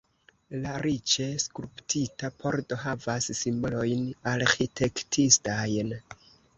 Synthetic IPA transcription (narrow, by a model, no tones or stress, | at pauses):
laɾit͡ʃe̞skɾuptʰitapʰo̞ɾdo̞ɦavasːimbolo̞jnaɾxitʰe̞ktʰistajn